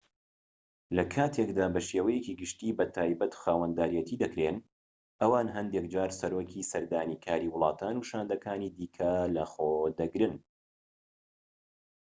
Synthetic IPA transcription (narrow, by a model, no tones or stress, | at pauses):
lɐkʰaːt̪ʰekd̪aːbɐʃeːwɐjeciːɡɨʃt̪iːbɐt̪ʰaːjbɐt̪xaːwɐnd̪aːɾijɛt̪ʰiːd̪ɐkɾeːn | ʔɐwaːnɦɐnd̪ek̚d͡ʒaːɾsɐɾoːkʰisɐɾd̪aːniːkʰaːɾiːwʊlˠɑːt̪ʰaːnuʃaːnd̪ɐkʰaːniːd̪iːkʰɐlɐxoːd̪ɐɡɾɨn